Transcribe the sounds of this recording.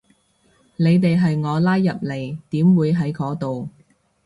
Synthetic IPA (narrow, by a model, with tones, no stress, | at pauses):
ne˨˧jt̪e˨jɦɐ˨jŋɔː˨˧laː˥jːɐ˨p̚le˨˩jt̪iː˨˥mwuː˨˧jɦɐ˨˥jkɔː˨˥t̪o˨w